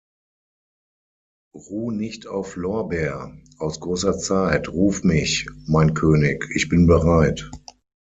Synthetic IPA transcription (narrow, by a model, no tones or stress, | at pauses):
ʁuːnɪçta̰ʊflɔɐbɛːɐʔaʊsɡ̥ʁoːsɐt͡saɪtʁuːfmɪçmaɪnkʰøːnɪkɪçb̥ɪnbəʁaɪt